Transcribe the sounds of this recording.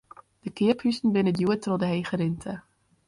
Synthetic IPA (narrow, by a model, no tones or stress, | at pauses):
d̥əkɪəphysn̩bɪnədjuətrodəɦejχəɾɪntʰə